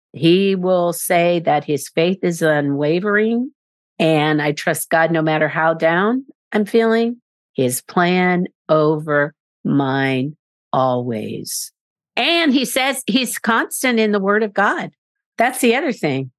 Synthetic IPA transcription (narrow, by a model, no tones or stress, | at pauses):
hiwɪlˠseɪðɨt̚hɪz̥feɪθɨzʌ̃nweɪvə˞ɪ̃ŋ | ɨ̃naɪtʰɹ̥ʌst̚ɡ̥ɑdⁿnoʊmæɾə˞ɦaʊdãʊ̃nʔãɪ̃ɱfilˠɪ̃ŋ | ɪz̥pʰl̥æ̃n | ʔoʊvə˞ | mãɪ̃n | ʔɔlˠwḛɪz̥ | ʔɨ̃nisɛz̥hiz̥kʰɑ̃nstɨ̃ntɨ̃nðəwɜ˞ɾʌvɡɑd̪̚ | ðætsðiʌðə˞θɪ̃ŋ